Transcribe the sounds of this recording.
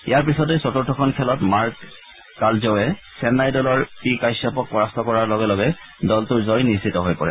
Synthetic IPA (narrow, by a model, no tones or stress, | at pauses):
ijaɹp̬isɔtesɔtuɹtʰːɔkʰɔnkʰɛlɔtmaɹkː | aɹzɔʊɛsɛnːajdɔlɔɹpikajsapɔk̚pɔɹastɔkɔɹaɹlɔɡɛlɔɡɛ | dɔltʊɹzɔjnisitɔɦojpɔɹɛ̰